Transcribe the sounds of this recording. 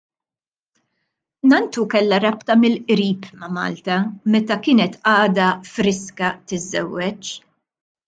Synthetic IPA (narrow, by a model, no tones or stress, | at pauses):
nɐnt̪ukɛlːɐɾɐpt̪ɐmɪlʔɾiːpmɐmɐ̰ːlt̪ɐmɛt̪ɐkɪːnɛt̪ɐːd̪ɐfɾɪskɐt̪ɪzːɛ̰wːɛt͡ʃ